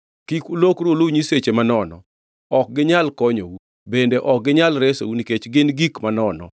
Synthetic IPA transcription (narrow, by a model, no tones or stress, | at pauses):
kikulokɾoluɲiset͡ʃemanɔnɔ̰ | ɔk̚ɡɪɲalkɔɲo̰wu | bendeʔɔk̚ɡɪɲalɾeso̰wuniket͡ʃɡɪnɡikmanɔnɔ̰